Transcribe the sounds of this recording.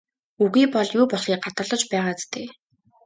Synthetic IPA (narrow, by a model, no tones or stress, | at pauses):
uɣiːpɔɮjuːpɔɮχiːɢat̪ə̆ɮɞ̆t͡ɕpæːʁaːt͡st̪ʰeː